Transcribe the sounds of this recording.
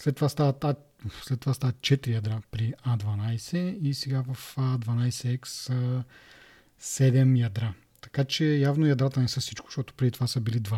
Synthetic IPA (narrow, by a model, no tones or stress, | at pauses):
slɛt̪ːovast̪avɐt̪a | slɛt̪ːovast̪avət̪̚t͡ʃɛt̪ɾijɐd̪ɾapɾiad̪vɐnajsɛisɛɡavɐfad̪vɐnajsɛɛkssə | sɛd̪ɛmjɐd̪ɾa | t̪ɐ̥kat͡ʃɛjavnojɐd̪ɾat̪ənɛsəsit͡ʃkʊ̥ʃt̪ɔt̪o̥pɾɛd̪it̪ovasəbilid̪va